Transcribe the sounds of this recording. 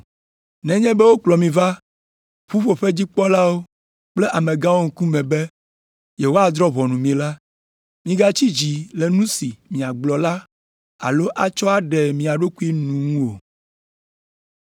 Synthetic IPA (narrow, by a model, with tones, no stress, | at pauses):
nɛ̃˦ɲɛ̃˦bɛ˦wo˦k͡plɔ˨mĩ˨va˦ | ɸu˦ɸo˨ɸe˦d͡ʑi˦k͡pɔ˦la˦wo˦ | k͡ple˦ʔa˨mẽ˨ɡã˦wo˦ŋ̩˦˨ku˦mɛ̃˨be˦ | je˨wo˦a˨d̪ɾɔ˦βɔ˨nũ˨mĩ˨la˦ | mĩ˦ɡa˦t͡ɕi˦d͡ʑi˨le˨nũ˦si˨mĩ˨a˨ɡ͡blɔ˨la˦ | a̰˨lo˦ʔa˨t͡ʃɔ˦a˨ɖɛ˨mĩ˨a˨ɖo˦ku˦i˦nũ˨ŋũ˦wo˨